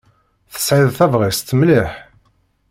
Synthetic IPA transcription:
θə̥sʕiðθævʁist̪ːmliħ

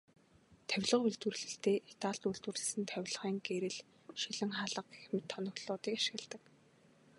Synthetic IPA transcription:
t̪ʰæwʲɮə̆quɮt̪wɘ̆r̆ɮɘ̆ɬt̪eːit̪aːɮt̪uɮt̪wɘ̆rɮɘ̆sɘ̆nt̪ʰæwʲɮəʁiːŋɡeɾɘ̆ɮ | ʃiɮɘ̆ŋχaːɮə̆qxemɘ̆t̪ʰːɔnɞ̆ɣɮʊːt̪iːkaʃɪ̆ɣɘ̆ɮt̪ə̆k

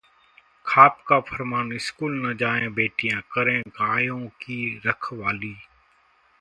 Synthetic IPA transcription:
kʰaːpkaːpʰəɾmaːnɪskuːlnəd͡ʒaːẽːbeːʈijãːkəɾẽːɡaːjõːkiːɾəkʰʋaːliː

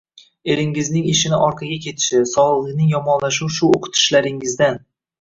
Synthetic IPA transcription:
e̞lɪŋɪznɪŋeʃɪnɪʔɒɾqʰɑɡʲakʲʰe̞t̪ʰɪ̥ʃɪsɒlˠɨqlˠɨnɪŋjɒmɒnlaʃuwʃʊoqʰʊ̥t̪ʰɪ̥ʃlaɾɪŋɪzd̪an

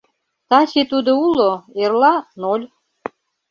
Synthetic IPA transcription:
t̪ɑt͡ɕet̪ud̪ouloerlɑnolʲ

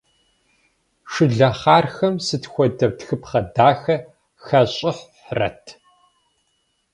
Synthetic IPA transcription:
ʂɨɮɐχaːrxɐmsɨtxʷɔdɐbtxɨpχɐdaːxɐ | xɐɕʼɪħ | rɐ̰tʰ

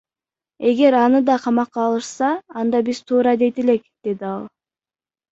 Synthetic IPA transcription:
e̞ɡe̞ɾɑnɯd̪ɑqʰɑmɑqːɑːlˠɯʃsɑːnd̪ɑbiz̥t̪ʰuːɾɑd̪e̞jt̪ele̞kd̪̥e̞d̪iɑlˠ

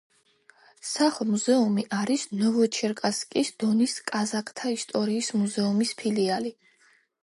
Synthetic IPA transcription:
saχlˠmuzɛumiʔaɾisnɔvɔt͡ʃʰɛɾkʼaskʼisd̪̥ɔniskʼazakʰʼt̪ʰaist̪ʼɔɾiːsmuzɛumispʰiliali

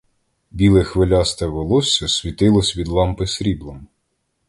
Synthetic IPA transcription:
bʲilˠɛxʋɪlʲɑst̪ɐʋelˠɔsʲɐsʲʋʲit̪ɪlˠɔsʲʋʲid̪lˠɑmpɪsɾʲiblˠɔm

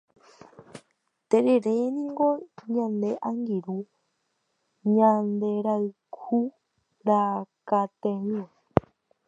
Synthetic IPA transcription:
t̪eɾeɾenĩŋɡoɲãnd̪eʔaŋɡiɾu | ɲãnd̪eɾai | kʰu | ɾakat̪ẽɲo

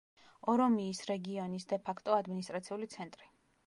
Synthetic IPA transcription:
ɔɾɔmiːsɾɛɡiɔnisd̪ɛpʰakʰt̪ʼɔad̪minis̬t̪ʼɾat̪sʰiulit̪sʰɛnt̪ʼɾi

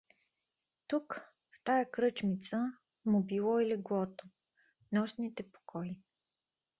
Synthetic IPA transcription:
t̪uk | ft̪ajəkɾɤt͡ʃmit̪sə | mubilˠɔilɛɡlɔt̪o | nɔʃnit̪ɛpo̥kʰɔi

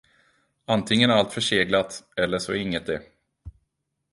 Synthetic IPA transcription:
ant̪ʰɪŋːənæalt̪fœʂeːɡlat̪ɛlːəʂɔæɪŋːət̪̚d̪ɛ

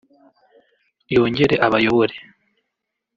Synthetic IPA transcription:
jo̞ːɲɟe̞ɾe̞ʔaβajo̞βoɾe

